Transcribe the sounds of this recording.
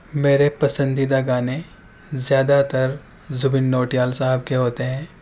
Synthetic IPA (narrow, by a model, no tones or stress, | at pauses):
meːɾepɐsə̃nd̪ʱid̪aɡaːne | zjaːd̪at̪əɾ | zʊbɪnːoːʈijaːlsaɦɪb̚keɦoːt̪eɦɛ̃ː